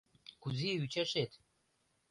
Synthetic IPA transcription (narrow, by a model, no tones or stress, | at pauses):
kuziyt͡ɕaʃet̪